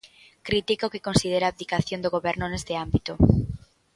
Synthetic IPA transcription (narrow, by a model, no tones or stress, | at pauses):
kɾit̪ikaokɪkonsið̞eɾaːpd̪ikaθjond̪oɣoβɛɾnʊnest̪eambit̪o